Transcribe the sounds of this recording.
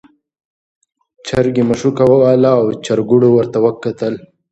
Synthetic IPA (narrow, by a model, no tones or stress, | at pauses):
t͡ʃʰaɾɡimɐʂukawawalaːwt͡ʃaɾɡuɽowəɾt̪awəkːat̪əl